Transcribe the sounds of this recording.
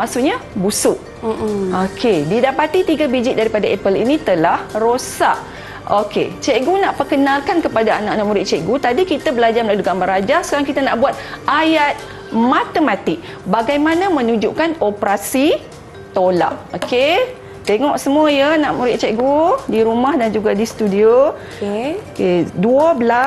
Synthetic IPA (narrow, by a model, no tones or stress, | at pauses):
masuʔɲabusuʔ | okʰedidapat̪it̪iɡabid͡ʒit̪̚daɾipadaɛpəlḭnĩt̪əlahrosaʔ | okḛt͡ʃeʔɡunaʔpərkənalkankəpadaːnaʔnãʔ̚muɾɪtʔ̪̚t͡ʃɛʔɡut̪adikit̪abəlad͡ʒarməlaluɡambaɾad͡ʒasəɾaŋkit̪anaʔbuat̪̚ajat̪̚ | mãt̪əmat̪ɪk̚ | baɡajmanamə̃nud͡ʒuʔkanopɾasi | t̪ola̰ʔoke | t̪eŋɔʔsəmuəjanaʔmuɾɪt̪̚t͡ʃɛʔɡudiɾumahdand͡ʒuɡadist̪udio | keduəbəla